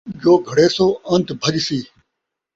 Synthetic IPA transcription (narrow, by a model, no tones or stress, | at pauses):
d͡ʒoːɡʱɐɽeːsoːɐ̃nd̪bʱəʄsiː